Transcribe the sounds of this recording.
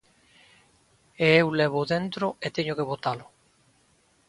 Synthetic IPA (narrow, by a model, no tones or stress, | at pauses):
eewlɛβ̞ʊðent̪ɾoet̪eɲʊkeβot̪alʊ